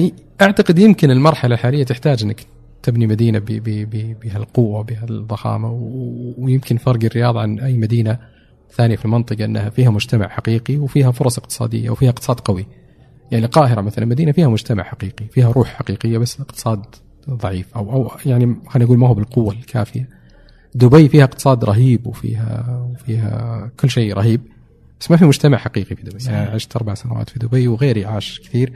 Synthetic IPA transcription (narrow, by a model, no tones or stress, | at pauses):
ʔaʕt̪aqɪd̪jɪmkɪnɪlmɑɾˤħalalħaːlɪjːat̪ɪħt̪aːd͡ʒʔɪnːak | t̪ɪbnimad̪iːnabbɪbɪbɪɦalqʊwːabɪhaðˤːɑxɑ̰ːmawjɪmkɪnfɑɾˤɡɪrːɪjɑːðˤɑʕanʔajːmad̪iːna | θaːnɪjafilmɑnt̪ˤɨqɑʔɪnːahafiːhamʊd͡ʒt̪ama̰ʕħaqiːqiwfiːɦafʊɾˤɑsˤɪqt̪ɨ̥sˤɑ̰ːd̪ɪ̰jːa̰wfiːhaɪq̚t̪ɨ̥sˤɑːd̪qɑwi | jaʕnilqɑːɦɪɾamaθalanlmad̪iːnafiːhamʊd͡ʒt̪ama̰ʕħaqiːqifiːhaɾˤuːħħaqiːqɪjːabasːɪqt̪ɨ̥sˤɑːd̪ | ðˤɑʕiːfʔawʔawjaʕnixaːnʔaɡuːlmahʊbɪlqʊwːalkʰa̰ːfɪja | d̪ʊbajfiːhaʔɪqt̪ɨsˤɑːd̪ɾˤɑɦiːbwfḭːɦa̰wfiːɦa̰kʊlːʃeːɾˤɑɦiːb̚ | basːmafimʊd͡ʒt̪amaʕħaqiːqifid̪ʊbajaʕnʕɪʃt̪ʔɑɾˤbaʕsanawa̰ːt̪fid̪ʊbajwɣeːɾjʕaːʃkɪ̥θiːɾ